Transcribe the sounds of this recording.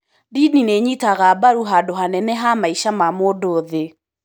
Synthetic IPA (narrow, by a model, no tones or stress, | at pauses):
dinineɲitaɣabaɾuɦadoɦanɛnɛɦamaiʃamamoːdoːðe